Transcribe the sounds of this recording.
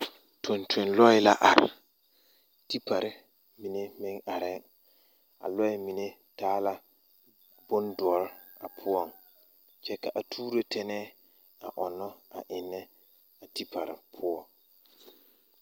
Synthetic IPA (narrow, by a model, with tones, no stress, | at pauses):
tʰo˨ntʰe˨nlɔ˦ɪ˦la˦ʔa˨ɾɪ˨ | ti˦pʰa˨ɾɪ˦ | mi˨ne˦mɪ˦ŋa˨ɾɪ˦ŋ | a̰˨lɔ˦ɪ˦mi˨ne˦ | taː˦la˦ | bʊ˦ndʊ˨ɔ˦ɾ | a̰˨pʰʊ˦ɔ˦˨ŋ | t͡ʃɛ˦ka˨ʔa˨tʰuː˦ɾe˦tʰɛ˦nɛː˦ | a˨ʔɔ˨nːɔ˦a˨ʔɪ˨nːɛ˦ | a˨ti˦pʰa˨ɾɪ̰˨pʰʊ˦ɔ˨